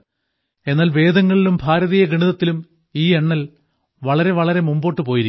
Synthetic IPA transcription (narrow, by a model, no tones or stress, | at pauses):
e̞nːaːlʋe̞ːd̪ɐŋːɐɭilumbʱaːɾɐðijɐɡiɳiðɐt̪ːilum | iːeɳːɐl | ʋɐɭɐɾe̞ʋɐɭɐɾe̞mumbo̞ːʈːɨpoːjiɾik